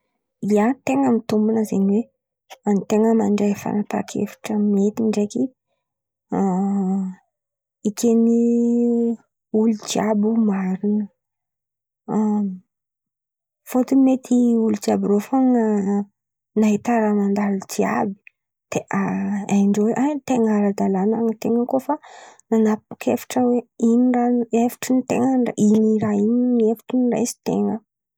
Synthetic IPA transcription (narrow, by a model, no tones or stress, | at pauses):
iant̪eŋəmit̪umbunəzeɲiwe | ant̪eŋəmaɳɖ͡ʐefa̰nat̪a̰kʰḛfi̥ʈ͡ʂəmet̪iɳɖ͡ʐeki | ikeni | ulud͡ʒiabumaɾinə | fot̪umet̪ʰiulud͡ʒiabiɾofaŋə | naɦit̪aɾamand̪aɾit͡sia̰bi̥ | d̪̥eʔaajɳɖ͡ʐeweʔat̪eŋaɾad̪alanaŋit̪eŋəkofananapu̥kʰʲefḁʈ͡ʂəweiniranefi̥ʈ͡ʂinit̪ḛŋəɖ͡ʐainiɾaininefi̥ʈ͡ʂənira̰jsi̥t̪ḛŋə